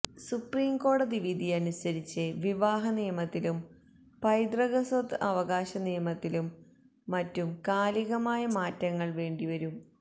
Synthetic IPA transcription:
supriːmko̞ːɽɐðiʋid̪ʱiɐnusɐɾit͡ɕːɨʋiʋaːɦɐnijɐmɐt̪ːilum | pɐjd̪rɐɣɐsot̪ːɨɐʋɐɣaːɕɐnijɐmɐt̪ːilumː | ɐtːumkaːliɣɐmaːjɐmaːtːɐŋːɐɭʋe̞ːɳɖiʋɐɾum

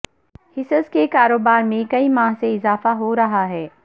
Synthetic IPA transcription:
hɪsəzkekaːɾoːbaːɾmẽkɐimaːɦseɪzaːfaɦoɾɐɦaɦɛː

